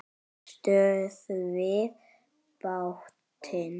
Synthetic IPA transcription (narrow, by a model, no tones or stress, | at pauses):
ʃtøsve | b̥aʊx | tʰən